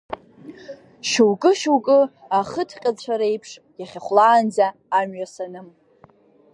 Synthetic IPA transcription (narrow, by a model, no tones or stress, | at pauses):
ʃuwkʼɨʃuwkʼɨ | aχətʰqʲʼat͡ɕʷʰaɾejpʰʂ | jaχʲaχʷlaːnd͡zaːmɥasanɨm